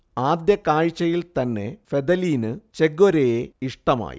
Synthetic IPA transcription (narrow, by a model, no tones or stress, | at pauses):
aːd̪jɐkaːɻt͡ɕːɐjilt̪ɐnːe̞̰fe̞d̪ɐliːnɨt͡ɕeɡoɾejeiʂʈɐma̰ːjḭ